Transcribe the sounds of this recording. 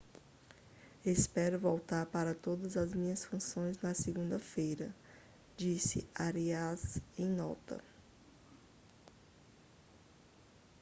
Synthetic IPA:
espɛɾʊvowt̪aɾpaɾɐt̪od̪ɐzɐzmĩɲɐsfũsõj̃znɐseɡũnd̪ɐfejɾɐ | d͡ʒisɪ̰aɾiazẽj̃nɔ̰t̪ɐ̰

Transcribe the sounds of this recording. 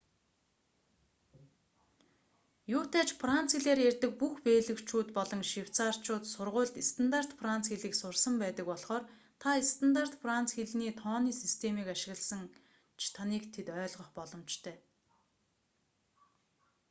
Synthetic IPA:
jʊːt̪ʰæːt͡ɕfran̥t͡sxeɮeːɾjærʲt̪ə̆k̚puxpeːɮɘ̆kt͡ɕʰuːt̪pɔɮɞ̆ŋʃiw̥t͡saːr̥t͡ɕʰʊːt̪sʊrʁʊːɮt̪ist̪ʰant̪ar̥t̪frant͡sxeɮiːksʊrsə̆mpæːt̪ə̆k̚pɔɮχɔːr | t̪ʰaest̪ʰant̪ar̥t̪frant͡sxeɮniːt̪ʰɔːniːsist̪ʰemiːkaʃɪ̆ɣə̆ɮsə̆ŋ | t͡ɕʰt̪ʰaniːkt̪ʰet̪œːɮʁɞ̆χpɔɮɞ̆mt͡ɕt̪ʰœː

